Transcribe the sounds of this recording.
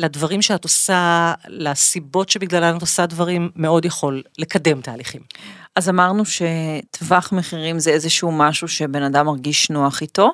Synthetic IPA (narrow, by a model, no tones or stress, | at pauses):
ladvaʁimʃeat̪osalasibo̞tʃebiɡlalanat̪osadvaʁimːe̞o̞djaχo̞lːe̞kade̞mt̪aːliχimʔazamaʁnuʃe̞t̪vaχmeχiʁimzeezeʃuumaʃuʃe̞be̞nadamaʁɡiʃnoaχit̪o̞